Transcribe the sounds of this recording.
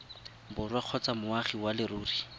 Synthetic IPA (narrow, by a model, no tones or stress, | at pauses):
bʊrwaq͡χʰɔt͡samʊaχiwalɪɾuːri